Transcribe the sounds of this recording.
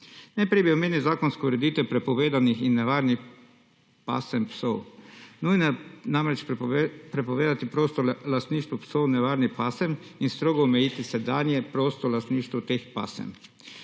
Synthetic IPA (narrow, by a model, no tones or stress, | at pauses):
nɛpɾebiomjenizaːkonskouɾɛd̪iːt̪ʋɛpɾɛpɔʋeːd̪anixinːɛʋaːɾnix | pa̰ːsɛmpsownuːjnojɛnamɾɛt͡ʃpɾɛpoʋeːd̪at̪ipɾoːst̪ɔlast̪niːʃt̪ʋɔpsownɛʋaɾnixpaːsɛminst̪ɾoɡɔːmɛjiːt̪isɛd̪aːnjɛpɾost̪ɔlast̪niːʃt̪ɔt̪expa̰ːsɛ̰m